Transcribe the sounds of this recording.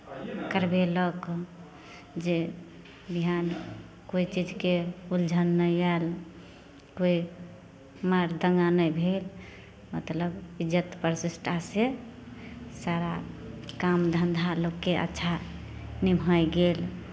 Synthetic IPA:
kəɾbelɔk | d͡ʒe | biɦan | koit͡ʃid͡ʒkeuld͡ʒʱənːəjal | koi | maɾd̪əŋɡanəjbʱel | mət̪ləbid͡ʒət̪pəɾsisʈʰase | saɾakamd̪ʱənd̪ʱalokːeʔə̰tːʃʰa | nimʱəjɡel

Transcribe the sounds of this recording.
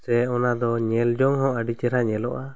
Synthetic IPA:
sɛɔnad̪ɔɲɛld͡ʒɔŋhɔ̃ʔəɖit͡ʃɛɾaɲɛlɔʔa

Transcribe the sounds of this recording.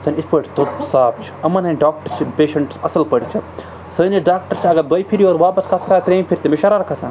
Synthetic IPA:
sɐnʲispɐːʈʰt̪ot̪saːb̚t͡ʃʰi̥ɐmːɐnɐnʲɖaːk̚ʈɐɾt͡ʃʰipeːʃɐɳʈsɐsɐlpɐɽʲt͡ʃʰi | səːniɖaːk̚ʈəɾt͡ʃʰɐɡɐɾd̪ɐjpʰiɾijoːɾʋaːpɐskɐt̪ʰkʰaːt̪ɾeːmʲpʰiɾt̪emiʃɐɾaːɾɐkʰaːsʰãː

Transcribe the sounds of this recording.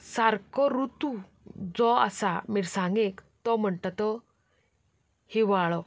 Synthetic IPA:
saɾkɔɾut̪u | d͡zɔa̰samiɾsãŋɡekt̪ɔm̤əɳt̪at̪ɔ | hiʋaɭɔ

